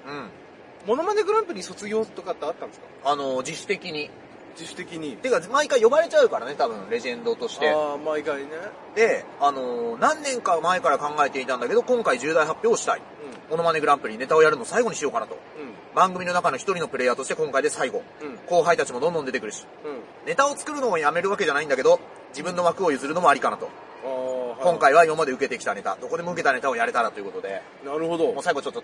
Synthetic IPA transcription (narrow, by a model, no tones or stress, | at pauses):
ɯ̟̃ɴ | mo̞no̞mane̞ɡɯ̟ɾãmpɯ̟ɾʲiso̞t͡sɨɡʲo̞ːt̪okat̪ːeat̪ːãnd̥̪e̥sk | ano̞d͡ʑiɕɨ̥t̪e̞kʲiɲ̟i | iɕt̪ekʲiɲit̪ekamaikaijo̞baɾe̞t͡ɕaɯ̟kaɾane̞t̪abɯ̟̃ɴ̃ɾe̞ʑẽ̞nd̪o̞t̪oɕi̥t̪emaikaine | d̪e̞ano̞nãnːẽ̞ŋkamaekaɾakãŋɡae̞t̪e̞it̪ãnd̪ake̞d̪o̞kõŋkaiʑɨːd̪aiɦapʲjo̞ːɕi̥t̪a̰ḭ | mo̞no̞mane̞ɡɯ̟ɾãmpɯ̟ɾʲine̞t̪ao̞jaɾɯ̟nosaiɡo̞ɲ̟iɕijo̞kanat̪o̞̰ | bãŋɡɯ̟mʲino̞nakano̞çi̥t̪o̞ɾino̞pɯɾe̞jat̪oɕt̪ekõŋkaid̪e̞saiɡo̞ko̞ːɦait̪at͡ɕimod̪õ̞nd̪ond̪et̪ekɯɾɯ̟ɕi̥ | ne̞t̪ao̞t͡sɨ̥kɯ̟ɾɯ̟no̞ojame̞ɾɯ̟βake̞ʑanaĩnd̪ake̞d̪o̞ | d͡ʑibɯ̟̃nːo̞βakɯ̟o̞jɯ̟zɨɾɯ̟no̞moaɾʲikanat̪o̞̰ | kõŋkaiβ̞aimamad̪e̞ɯ̟ke̞t̪e̞kʲi̥t̪ane̞t̪a̰d̪o̞ko̞d̪e̞mo̞ɯ̟ke̞t̪ane̞t̪aojaɾe̞t̪aɾat̪o̞jɯ̟ko̞t̪od̪e̞̰ | naɾɯhod̪omo̞ːsaiɡot͡ɕo̞t̪ːo